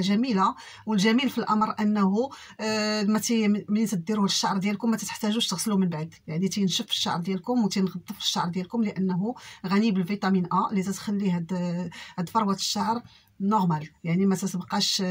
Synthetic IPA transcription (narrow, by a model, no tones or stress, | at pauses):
ʒæmila | wəlʒæmilfilʔɑmɾˤʔənːɦu | mæt̪imənt̪əd̪iɾuhəʃːaʕɾˤd̪jælkʊmːæt̪æt̪ə̥ħt̪æʒuʃt̪əɣsəlumənbaʕd̪jaʕnit̪inʃəfə̥ʃːa̰ʕɾˤd̪jælkʊmwt̪inɣɑd̪ˤːəfə̥ʃːa̰ʕɾˤd̪jælkʊmləʔənːɦuɣænibəlfit̪ˤɑminʔalit̪æt̪xælːiɦæd̪hæd̪fɑɾˤwat̪ə̥ʃːaʕɾ | noɾmæljaʕnimæt̪æt̪əbqɑʃ